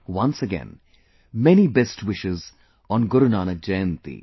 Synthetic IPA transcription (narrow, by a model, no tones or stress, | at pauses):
wʌ̃nsəɡɛ̰̃n | mɛnibɛsʈwɪʃɪz | ɔ̃nɡʊɾʊnaːnəd͡ʒɛ̃ːnt̪ḭ